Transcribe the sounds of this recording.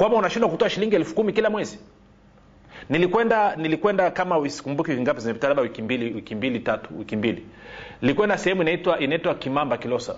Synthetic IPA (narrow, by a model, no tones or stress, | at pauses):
kwambaunaʃindwakutɔaʃiliŋɡiɛlfu̥kumikilamwɛzi | nilikwɛndanilikwɛndakamawisi̥kumbukiviŋɡapɛzimɛpitalaɓawikimbiliwikimbilitatu̥wikimbili | nilikwɛndasɛhɛmuinaitwaʔinaitwakimambakilɔsa̰